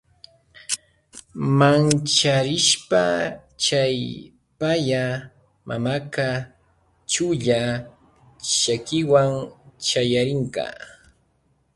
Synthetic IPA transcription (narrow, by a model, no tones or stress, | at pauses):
mant͡ʃaɾɪʃpat͡ʃaj | paja | mʔa̰maka | t͡ʃʊʎa | ʃakɪwaŋt͡ʃajaɾɪŋka̰ː